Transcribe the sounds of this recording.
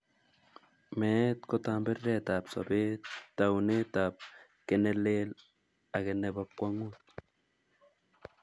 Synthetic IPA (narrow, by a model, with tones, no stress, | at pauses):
me˨˦t̪ko˦t̪aː˦mbe˦rːe˦˨t̪a˨psa̰˨be˦ttːa˨wne˦t̪a˨p̚ | ke˨ne˦le˦l | a˨ke˨ne˨βa˦kːʷa˦ŋu˦t̪̚